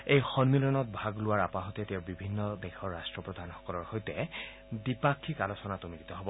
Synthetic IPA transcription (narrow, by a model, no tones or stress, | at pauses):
ejxɔnmilɔnɔt̚bʱaɡlʊwaɹapaɦɔtɛtɛʊbibʱinːɔdɛkʰɔɹːastɹɔpɹɔd̪ʱanxɔ̥kɔlɔɹxojtɛ | dipakʰːikalosɔnatʊmilitɔɦɔbɔ